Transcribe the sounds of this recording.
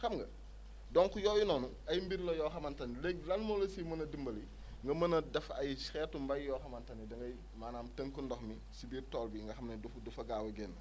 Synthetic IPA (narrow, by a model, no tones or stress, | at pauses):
xɐmɡɐ | dɔŋkujɔːjunɔːnu | ɐjmbiɾlɐjɔxɐmɐntɐnileɡlɐnmɔlɐsimɐnɐdimbɐli | ŋɡɐmɐnɐdɐfɐjsxɛːtːumbɐjjɔːxɐmɐntɐnidɐŋɡɐj | maːnaːmtəŋkundɔxmi | sibiːrtɔːlbiŋɡɐxɐmnɐdufudufɐɡaːwɐɡɛːnː